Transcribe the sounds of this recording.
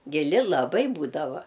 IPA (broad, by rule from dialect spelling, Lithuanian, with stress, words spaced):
ɡʲɪˈlʲɪ lˠɐˈbɐɪ ˈbuːdɐʋɐ